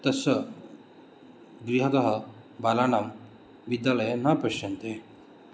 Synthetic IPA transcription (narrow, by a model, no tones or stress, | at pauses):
t̪ɐsə | ɡɾiɦɐd̪ɐɦɐ | balanam | ʋid̪jaləjenapəɕənt̪e